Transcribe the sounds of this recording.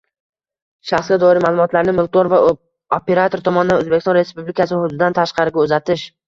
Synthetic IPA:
ʃaχsɡʲad̪ɒɪɾɪmaːlˠʊmɒt̪laɾnɪmʊlˠt̪ɒɾva | ope̞ɾat̪ʰo̞ɾt̪ʰɒmɒnɪd̪anɵzbekʲst̪ɒnɾe̞spublɪkʰasɪhʊd̪ʊd̪ɪd̪ant̪ʰaʃqɑɾɪɡʲaɵzat̪ʰɪʃ

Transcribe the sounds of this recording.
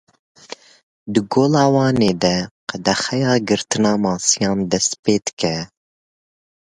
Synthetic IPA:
d̪ɨɡoːlɑːwɑːneːd̪ɛqɛd̪ɛxɛjɑːɡɨɾt̪ɨnɑːmɑːsɨjɑːnd̪ɛst̪peːd̪ɨ̥kɛ

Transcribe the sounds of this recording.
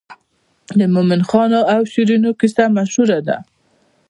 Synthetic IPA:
d̪əmʊmɪnxɑnoawʃiɾinokɪsamaʃhuɾad̪a̰

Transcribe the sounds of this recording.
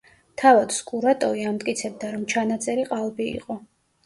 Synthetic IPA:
t̪ʰavad̪̥skʼuɾat̪ʼɔviamt̪ʼkʼit̪sʰɛb̚d̪aɾɔmt͡ʃʰanat̪sʼɛɾiqʼalˠbiḭqʼɔ

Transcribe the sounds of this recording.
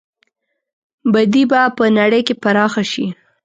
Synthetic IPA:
bad̪ibapənaɽəjkepaɾɑxaʃi

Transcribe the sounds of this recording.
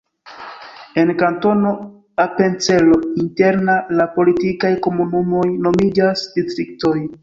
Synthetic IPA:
e̞nkanto̞no̞ | ape̞nt͡se̞lo̞inte̞ɾnalapo̞litikajko̞munumo̞jno̞mid͡ʒasdistɾik̚to̞j

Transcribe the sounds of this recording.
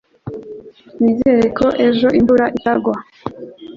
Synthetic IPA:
mizeɾekoʔe̞ʒo̞ʔimbuɾaʔitaɡwa

